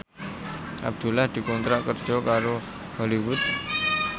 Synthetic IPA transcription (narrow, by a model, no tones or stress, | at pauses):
a̰b̚d̪ulahd̪ikont̪ɾakəɾd͡ʒɔkaɾo | həliwut̪